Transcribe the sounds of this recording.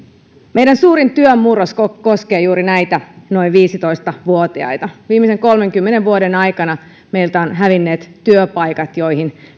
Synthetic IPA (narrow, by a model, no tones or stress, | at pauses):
me̞jdænsuːɾint̪yømːuɾoskoko̞ske̞ːjuːɾinæjt̪æno̞iʋʋiːsit̪o̞jst̪ɑʋuot̪iɑ̰jt̪ɑʋiːmːise̞ŋko̞lmeŋkymːeneʋʋuodenɑjkɑnɑ | me̞jlt̪æonɦæʋinːe̞ːt̪tyøpɑjkɑt̪jo̞jhin